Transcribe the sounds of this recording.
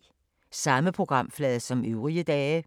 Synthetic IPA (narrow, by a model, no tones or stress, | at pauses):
sɑ̈məpʰʁo̝ɡ̥ʁɑ̈m̰flɛːð̩ˠsɒ̽møʊʁiəd̥ɛː